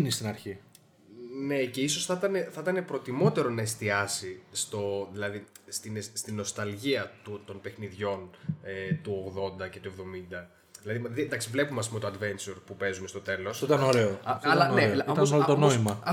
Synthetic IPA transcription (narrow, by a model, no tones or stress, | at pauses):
nist̪inɐɾçi | ne̞ce̞iso̞sθɐt̪ɐne̞θɐt̪ɐne̞pɾo̞t̪imo̞t̪e̞ɾo̞nɐest̪iɐsist̪o̞ðilɐðist̪inest̪ino̞st̪ɐlʝiɐt̪ut̪o̞npe̞xniðʝo̞net̪uo̞ɣðo̞nd̪ɐce̞t̪uevðo̞mind̪ɐ | ðilɐðimðend̪ɐksivle̞pumɐs̬imo̞t̪oɐd̪ve̞nt͡ʃuɾpupe̞zumest̪o̞t̪e̞lo̞st̪ɐnoɾe̞oɐllɐnneit̪ɐnolot̪onoimɐ